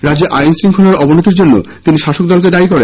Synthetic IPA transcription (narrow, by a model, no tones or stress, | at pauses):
ɾad͡ʑeʔajnsɾiŋkʰɔlaɾɔbonot̪iɾd͡ʑonːo̰t̪iniʃaʃokd̪ɔlk̬ed̪aikɔɾen